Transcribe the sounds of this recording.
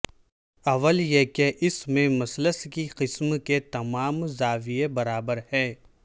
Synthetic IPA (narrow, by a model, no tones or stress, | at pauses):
ɐʋəljekeʔɪsmẽmɐsləskiqɪsmket̪ɐmaːmzaːʋijebɐɾaːbəɾhɛː